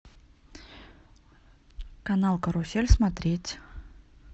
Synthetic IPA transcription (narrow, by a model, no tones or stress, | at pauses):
kɐnalˠkəɾʊsʲelʲsmɐt̪ɾʲetʲ